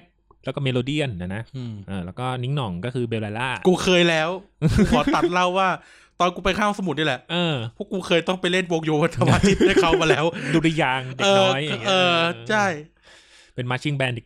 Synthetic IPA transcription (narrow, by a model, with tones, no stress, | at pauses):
t̚ | lɛː˦˥wkɔ˥˩me˧loː˧di˥˩ənʔa˧˩na˦˥ɯː˧ʔɤː˧˩lɛː˦˥wkɔː˥˩ni˦˥ŋnɔ˨˩˦ŋkɔː˥˩kʰɯː˧beː˧wlaː˧laː˥˩kuː˧kʰɤː˧jlɛː˦˥wʔkɔː˨˩˦a˨˩t̪̚la˥˩wːaː˥˩ | t̪ɔː˧nkuː˧pa˧jkʰaː˥˩˨sa˧mu˨˩t̪̚niː˥˩lɛ˨˩ʔʔɤː˧pʰɔ˥kuː˧kʰɤː˧jt̪ɔ˥˩ŋpa˧jle˥˩nboː˧k̚joː˧wa˧t̪ʰa˧maː˧˩t̪ʰi˦˥t̪̚da˥˩kʰa˥˩wmaː˧lɛː˦˥wduː˧lə˧jaː˧ŋdeʔɤː˧ɔ˦˥jʔʔɤː˧t͡ɕʰa˥˩j | pe˧nmaː˧˥t͡ɕʰi˥˩ŋbɛː˧nde˨˩